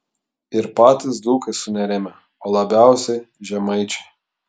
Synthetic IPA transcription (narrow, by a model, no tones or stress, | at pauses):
ɪɾpɑːt̪ʲɪsd̪uːkɐsʊnʲɛɾʲɛmʲɛ | oːlˠɐbʲæˑʊsʲɛɪ | ʒʲɛmɐɪt͡ʃʲɛ̥ɪ